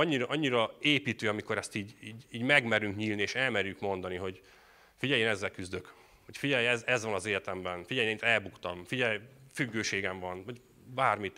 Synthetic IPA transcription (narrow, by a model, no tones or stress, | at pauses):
ɒɲːiɾɒʔɒɲːiɾɒeːpiːt̪øːɒmiko̞ɾɛst̪iːɟiːɟiːɟmɛɡmɛɾyŋkɲiːlnieːʃɛlmɛɾjykmo̞nd̪ɒniɦo̞ɟ | fiɟɛjeːnɛzːɛlkyzd̪øk | ho̞cfiɟɛjɛzɛzʋɒnɒzeːlɛt̪ɛmbɛnfiɟɛjnent̪ɛlbukt̪ɒmfiɟɛjfyɡːøːʃeːɡɛɱvɒnɒɟ | baːrmit̪